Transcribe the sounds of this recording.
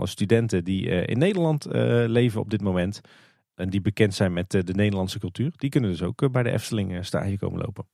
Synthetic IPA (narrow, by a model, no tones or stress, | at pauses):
lə̰stydɛntədiəʔɪ̰nːejdəɹlɑntlejvənɔ̰b̚dɪt̚mowmɛnt | ʔɛndibəkɛntsɛjnmɛtdənejdəɹlɑnsəkɵlˠtyːɹd̥ikɵnəndɵsowkbɛjdə̰ʔɛ̰ftəlɪŋəsta̰ːdjəko̰wməlo̰wpən